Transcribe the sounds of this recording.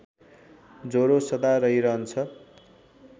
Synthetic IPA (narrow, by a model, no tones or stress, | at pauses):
d͡zoɾosʌd̪aɾʌɦiɾʌɦʌnt͡sʰʌ